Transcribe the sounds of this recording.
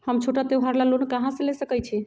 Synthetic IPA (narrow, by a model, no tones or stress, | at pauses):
həmt͡ʃʰoʈat̪eɦaɾlalonkaɦãsə̃lesəkəjt͡ʃʰi